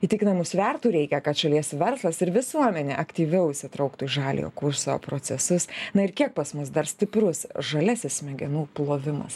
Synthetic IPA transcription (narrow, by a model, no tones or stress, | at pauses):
iːt̪ʲɪkʲɪnɐmʊsʲʋʲɛrt̪uːɾʲɛɪkʲɛkɐt̪ʃɐlʲiɛsʋʲɛɾslˠɐsɪɾʋʲɪsuɔmʲɛnʲeːʔɐkt̪ʲiːʋʲɛʊɪʃʲsʲɪt̪ɾɐʊkt̪uːɪʒɑːlʲḭjo̰ːkʊrso̰pɾoːt͡ssʲɛsʊsnɐɪɾkʲiɛk̚pɐsmʊs̬d̪ɐɾsʲt̪ʲɪpɾʊsʒɐlʲæːsʲɪsmʲɛɡʲɛnuːplˠoːʋʲɪmɐ̰s